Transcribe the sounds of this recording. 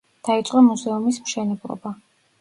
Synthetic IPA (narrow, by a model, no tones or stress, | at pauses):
d̪̥ait̪sʼqʼɔmuzɛumismʃɛnɛblˠɔ̰ba